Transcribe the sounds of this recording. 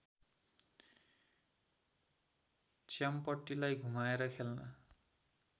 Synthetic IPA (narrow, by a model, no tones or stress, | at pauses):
t͡ʃempʌʈːilajɡʱumaeɾʌkʰelna̰